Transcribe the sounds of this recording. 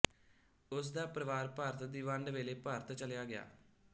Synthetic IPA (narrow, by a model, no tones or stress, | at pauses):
ʊs̬d̪aːpɾəʋaːɾpəɾt̪d̪iːʋə̃ɳɖʋeːleːpəɾt̪t͡ʃəlejaːɡɪja̰ː